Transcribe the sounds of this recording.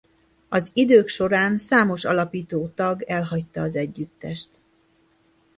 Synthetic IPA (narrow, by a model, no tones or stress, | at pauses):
ɒzid̪øːkʃo̞ɾaːnsaːmo̞ʃɒlɒpiːt̪oːt̪ɒɡɛlɦɒct̪ɒːzɛɟːyt̪ːɛʃt̪